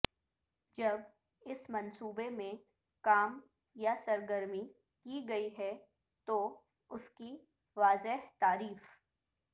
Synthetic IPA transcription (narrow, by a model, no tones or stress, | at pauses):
d͡ʒɐb | ɪsmɐnsuːbemẽ | kaːm | jasɐɾɡəɾmi | kiɡɐiɦɛ | t̪o | ʊski | ʋaːzɪɦt̪aːɾiːf